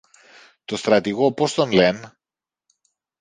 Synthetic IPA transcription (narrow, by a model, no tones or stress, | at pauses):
t̪o̞st̪ɾɐt̪iɣopo̞st̪onlen